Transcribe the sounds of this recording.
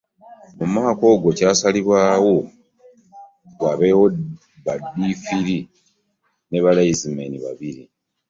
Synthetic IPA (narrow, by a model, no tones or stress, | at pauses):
mumaːko̞ːɡo̞caːsaliβwaːwo̞ | βaβewo | βadːifiɾi | ne̞βalajizimeniβa̰βiɾi